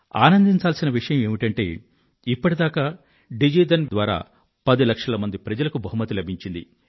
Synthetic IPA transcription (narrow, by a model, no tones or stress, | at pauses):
aːnɐnd̪iɲt͡ʃaːlsinɐʋiʂɐjɐme̞ːmiʈɐɳʈe̞̰ː | ipːɐʈid̪aːkaː | ɖid͡ʒiːd̪ɐnd̪ʋaːɾa̰ː | pɐd̪ilɐkʂɐlɐmɐnd̪ipɾɐd͡ʒɐlɐkubʱɐɦumɐt̪ːilɐbʱiɲt͡ʃind̪ḭ